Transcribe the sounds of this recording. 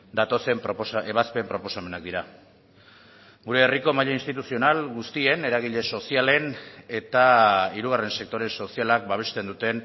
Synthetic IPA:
d̪at̪o̞se̞mpɾoposaeβaspe̞mpɾo̞po̞same̞nak̚d̪iɾa | ɡuɾe̞ːriko̞maʎainst̪it̪usio̞nalɡust̪ie̞ne̞ɾaɣ̞iʎe̞so̞siale̞ne̞t̪aiɾuɣ̞are̞nse̞k̚t̪o̞ɾe̞nso̞sialak̚baβ̞e̞st̪e̞nd̪ut̪e̞n

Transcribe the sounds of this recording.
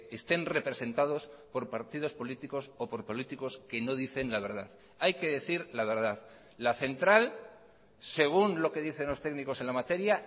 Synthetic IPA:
e̞st̪e̞nre̞pɾe̞se̞nt̪aðo̞spo̞ɾpaɾt̪ið̞o̞spo̞lit̪iko̞sopo̞ɾpo̞lit̪iko̞ske̞no̞ð̞iθe̞nlaβ̞e̞ɾðað | ajke̞ðe̞θiɾlaβ̞e̞ɾðað | laθe̞nt̪ɾal | se̞ɣ̞unlo̞ke̞ðiθe̞nlo̞st̪e̞ɣniko̞se̞nlamat̪e̞ɾja

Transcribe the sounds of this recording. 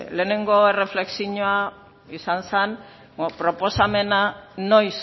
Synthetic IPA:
le̞ːne̞ŋɡo̞ere̞fle̞ksiɲoa | isansan | pɾo̞po̞same̞nano̞js

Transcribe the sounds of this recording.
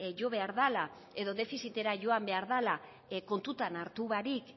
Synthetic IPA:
ʝo̞βe̞aɾðala | e̞ðo̞ðe̞fisit̪e̞ɾaʝo̞ambe̞aɾðala | ko̞nt̪ut̪anaɾt̪uβaɾik

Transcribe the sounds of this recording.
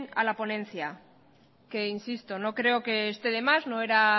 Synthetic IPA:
na̰lapo̞nẽ̞n̟θja | ke̞insist̪o̞no̞kɾe̞oke̞ːst̪e̞ðe̞mazno̞eɾa

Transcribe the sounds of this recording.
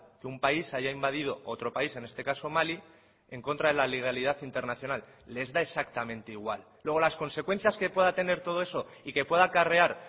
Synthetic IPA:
keumpaisaʝaimbaðið̞o̞ot̪ɾo̞paise̞ne̞st̪e̞kaso̞mali | e̞ŋko̞nt̪ɾaðelaleɣ̞aliðaθint̪e̞ɾnaθjo̞nalː | ezðae̞sakt̪amẽ̞nt̪e̞iɣwa̰llːwe̞ɣ̞o̞lasko̞nse̞kwe̞n̟θjaske̞pwe̞ðat̪e̞ne̞ɾt̪o̞ð̞oe̞so̞ike̞pwe̞ðakare̞aɾ

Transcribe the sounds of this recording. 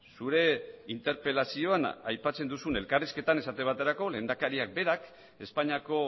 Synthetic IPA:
suɾe̞int̪e̞ɾpe̞lasio̞ana̰jpat͡se̞nd̪usune̞lkariske̞t̪ane̞sat̪eβat̪e̞ɾako̞le̞ːnd̪akaɾiak̚be̞ɾak | e̞spaɲako̞

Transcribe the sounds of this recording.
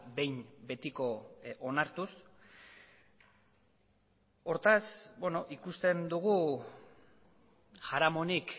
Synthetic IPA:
be̞jnbe̞t̪iko̞ʔonaɾt̪us | o̞ɾt̪asbwe̞no̞ʔikust̪e̞nd̪uɣ̞u | ʝaɾamo̞nik

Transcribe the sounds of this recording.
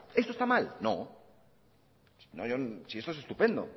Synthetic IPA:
est̪oest̪amalno̰ | sno̰ʝosiest̪oese̞st̪upend̪o̞̰

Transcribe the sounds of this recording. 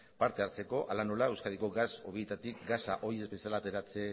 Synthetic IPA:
paɾt̪e̞aɾt͡se̞ko̞ʔalano̞lae̞wskaðiko̞ɡaso̞βiet̪at̪ikɡasaʔo̞ie̞zbe̞sialaːt̪e̞ɾat͡se

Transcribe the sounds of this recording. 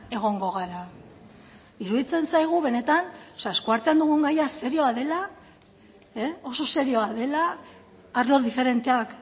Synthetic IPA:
e̞ɣ̞o̞ŋɡo̞ɣ̞aɾa | iɾuðit͡se̞nsajɣ̞uβe̞ne̞t̪anoseae̞skuaɾt̪eand̪uɣuŋɡajase̞ɾio̞aðe̞la | eo̞so̞se̞ɾio̞aðe̞laː | ɾlo̞ðife̞ɾe̞nt̪e̞ak

